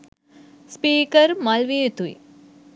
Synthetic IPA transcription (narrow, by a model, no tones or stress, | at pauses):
spiːkəɾmalʋit̪uḭ